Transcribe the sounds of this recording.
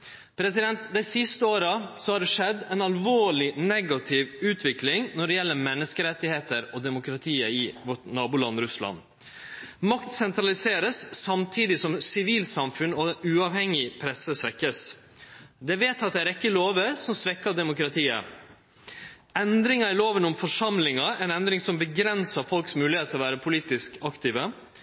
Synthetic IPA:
pʰɾɛsɪd̪ɛnt̪d̪æɪsɪst̪əoːɾəsɔhɑːɖɛʂɛd̪ɛnɑlʋoːɭɪnɛɡɑt̪ʰɪʋʉːt̪ʰʋɪklɪŋnɔɖɛjɛlːəɾmɛnːəskəɾɛt̪ːɪheːt̪əɾɔd̪ɛmʊkɾɑt̪ʰiːəɪʋɔʈnɑːbʊlɑnɾʉslɑ̰n | mɑkt̪sɛnt̪ɾɑlɪseːɾəssɑmt̪ʰiːd̪ɪsɔmsɪʋiːlsɑmfʉnɔɛʉːɑʋhɛŋɪpʰɾɛsəsʋɛkːəs | d̪ɛʋeːt̪ɑt̪̚d̪ɛæɾɛkːəloːʋəɾsɔmsʋɛkːɑd̪ɛmʊkɾɑt̪ʰiːə̰ | ɛnd̪ɾɪŋɑɪloːʋənʊmfɔʂɑmlɪŋɑɛnɛnd̪ɾɪŋsɔmbəɡɾɛnsɑɾfɔlksmʉːlɪheːt̪əɔʋæːɾəpʰʊliːt̪ɪskɑkt̪iːʋə

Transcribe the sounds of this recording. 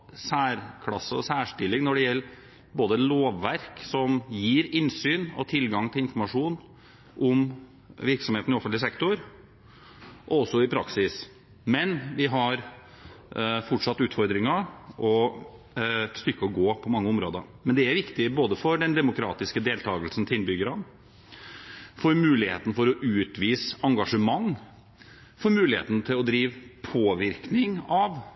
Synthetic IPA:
sæːɾkʰlɑsːəɔsæːʂʈɪlːɪŋnɔɖɛjɛlː | boːd̪əloːʋːæɾksɔmjiːɾɪnsyːnɔ̰t̪ʰɪlɡɑŋt̪ʰɪlɪnfɔɾmɑʂuːn | ʔʊm | ʋɪɾksɔmheːt̪nɪɔfnlɪsɛkt̪ʊɾ | ʔɔɔsːɔɪpʰɾɑ̰ksɪs | mɛnʋɪɦɑɾ | fɔʈʂɑt̪ːʉːt̪fɔɾd̪ɾɪŋɑʔɔ | st̪ʏkːəɔɡoːpʰɔmɑŋːəɔmɾoːd̪əmɛnd̪ɛæɾʋɪkt̪ɪboːd̪əfɔɖɛnd̪ɛmʊkʰɾɑ̰ːt̪ɪskəd̪eːlt̪ʰɑːɡəlsn̩t̪ʰɪnbʏɡəɾɑn | fɔɾmʉːlɪhḛːt̪n̩fɔɾɔʔʉːt̪ʋiːsɑŋɡɑʂəmɑŋː | fɔɾmʉːlɪhḛːt̪n̩t̪ʰɪlɔd̪ɾiːʋpʰoːʋɪɾknɪŋɑʋ

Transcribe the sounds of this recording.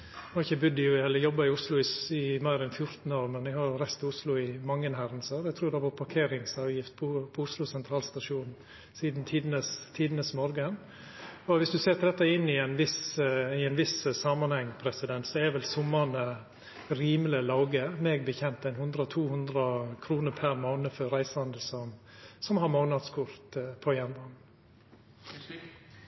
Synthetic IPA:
nɔɪçəbʉd̪ːɪjʊɛlːəjɔbːɑɪʊslʊɪɪmɑɪɾɛnfjʊɾt̪n̩oːɾmɛnʋɪhɑɾɾæst̪ɑʊslʊɪmɑŋːənɦæɾənsəɾɛɡ̚t̪ʰɾuːɾd̪ɛʋɑɾpʰɑɾkʰeːɾɪŋsɑːʋjɪft̪̚pʰɔpʰɔʊslʊsɛnt̪ʰɾɑːlst̪ɑʂuːnn̩ | siːd̪nt̪ʰiːd̪nəst̪ʰiːd̪nəsmɔɾɡən | ɔʋɪsd̪ʉseːɾt̪ɪd̪ɛt̪ːɑɪnːɪɛɪnʋɪsɪɛɪnʋɪssɑːmɑnhɛŋːpʰɾɛsɪd̪ɛnt̪sɔɛʋɛlsʊmːɑnə | ɾiːmləlɑːɡəmeːɡbəçɛnt̪æɪnhʉnd̪ɾəɔt̪ʰuːhʉnd̪ɾəkʰɾuːnəɾpʰæɾmoːnəfœɾæɪsɑnd̪əlsɔmsɔmhɑɾmoːnɑd̪skʰʊɾt̪pʰɔjɛnʋɑn

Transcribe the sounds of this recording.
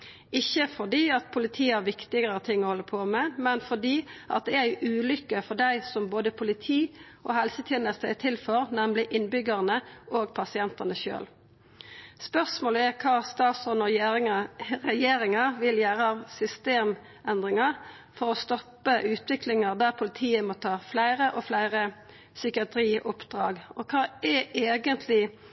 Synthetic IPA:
ɪçːəfɔd̪iːɑt̪̚pʰʊlɪt̪ʰiːæʁʋɪkt̪ɪɡəʁət̪ʰɪŋɔhɔlːəpʰoːmɛmɛnfɔd̪iːʔɑ̰t̪̚d̪ɛæjʊʔʉːlʏkːəfɔɖ̪æɪsɔmboːd̪əpʰʊlɪt̪ʰiː | oːhɛlsət̪ʰjɛːnəst̪ət̪ʰɪlføɾnɛmlɪʔɪnbʏɡəʁnəʔoːɡpʰɑsɪɛnt̪ənəʃø̰ːl | spœʁsmoːləɛkʰɑːst̪ɑːt̪sɔnɔ | ʁɛjeːɾɪŋɑʋɪljæːʁəɑʋsʏst̪eːm | ʔɛnd̪ʁɪŋɑ | fɔʁɔst̪ɔpːəʔʉːt̪ʋɪklɪŋɑd̪æʁpʰʊlɪt̪ʰiːəmoːt̪ʰɑːflæɪʁəʔoflæɪʁə | sʏkɪɑt̪ʰɾiːʔʊpd̪̥ʁɑːɡɔkʰɑːɛeːɡənt̪ʰlɪ

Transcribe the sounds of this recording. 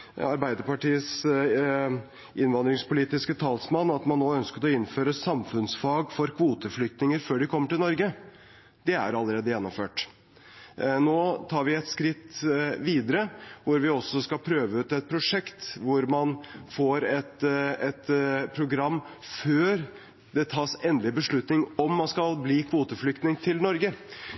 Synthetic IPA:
ɑɾbæɪd̪əɾpɑʈiːəs | ʔɪnʋɑnd̪ɾɪŋspʰʊliːt̪ɪskət̪ʰɑːlsmɑnːɑt̪mɑnːoːœnskət̪ɔɪnːføːɾəsɑmfʉnsfɑːɡfɔɾkʰʋuːt̪əflʏk̚t̪nɪŋəɾføːɖɪkʰɔmːəʈɪlnɔɾɡə | d̪̥ɛæ̰ɾɑlːəɾeːd̪əjɛnːɔmføːʈ | noːt̪ʰɑːɾʋɪɛt̪skɾɪt̪ːʋiːd̪əɾəʋʊɾʋɪɔsːɔskɑpʰɾøːʋəʉt̪ɛt̪̚pʰɾʊʂɛkt̪ʋʊɾmɑnfoːɾɛt̪ɛt̪pʰɾʊɡɾɑmː | føːɾ | d̪ɛt̪ʰɑːsɛnd̪lɪbəʂɭʉt̪nɪŋɔmːɑnskɑlbliːkʰʋuːt̪əflʏkt̪nɪŋt̪ʰɪlnɔɾɡə

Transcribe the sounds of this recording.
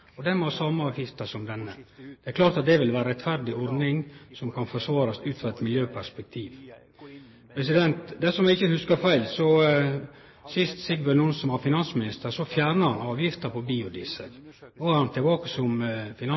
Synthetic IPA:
ɔd̪ɛnmɔsɑmːəɑːʋjɪft̪əsɔmd̪ɛnːəd̪̥ɛæɾklɑːɾt̪ɑt̪̚d̪ɛʋɪlʋæːɾəɾɛt̪fæɾd̪ɪɔɾd̪nɪŋsɔmkʰɑnfɔʂʋɑːɾɑsʉːt̪fɑɛt̪mɪljøːpʰæspɛk̚t̪ʰiːʋ | pʰɾɛsɪd̪ɛnt̪d̪ɛsɔmɪɡɪçːəhʉskɑɾfæɪlsɔ | sɪst̪sɪɡʋɛnuːnsɔmhɑɾfɪnɑnsmɪnɪst̪əɾsɔfjæːɾnəhɑnɑːʋjɪft̪əɾpʰɔbiːʊd̪ɪsəɾnoːhæɾhɑnt̪ʰɛbɑːkəsɔmfɪnɑ

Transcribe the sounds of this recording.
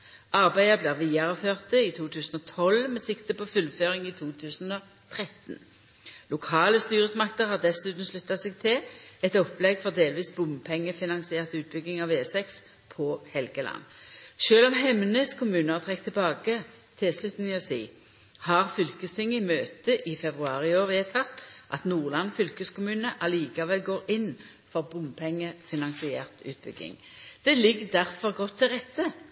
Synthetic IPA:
ɑʁbæɪəbliːʁʋiːɑʁəføːʁt̪əit̪ʰuːt̪ʰʉːsn̩ɔt̪ʰɔlmɛsɪkt̪əpɔfʉlføːʁɪŋiːt̪ʰuːt̪ʰʉːsnɔ | t̪ʰʁɛt̪n̩ | lʊkʰɑːləst̪yːʁəsmɑk̚t̪əʁhɑːʁd̪ɛsʉːt̪n̩ʃlʉt̪ːɑsɛɡ̚t̪ʰɪlɛt̪ɔplɛɡfɔʁd̪eːlʋiːsbʊmpʰɛŋːəfɪnɑŋsɪeːʁt̪ʉːt̪̚bʏɡɪŋɑʋeːsɛks | pʰɔhɛlɡəlʔɑ̰nːʃøːlɔmɦɛmnəskʰʊmʉːnəɑʁt̪ʰʁɛk̚t̪ʰːɪlbɑːɡə | t̪ʰɪlslʉt̪n̩ɪɔsiː | hɑʁfʏlkəst̪ɪŋːəɪmøːt̪əʔɪfɛbʁʉɑːʁɪoːʁʋɪɛt̪ʰɑt̪ːʔɑt̪nuːʁlɑnfʏlkəskʰʊmʉːnəʔɑliːkɑʋɛlɡoːʁɪnː | fɔʁbʊmpʰɛŋːəfɪnɑnsɪɛːʁt̪ʉ̰ːt̪̚bʏ̰ɡɪ̰ŋd̪̥ɛlɪɡːd̪æʁfɔʁɡɔt̪ʰːɪlʁɛt̪ːə

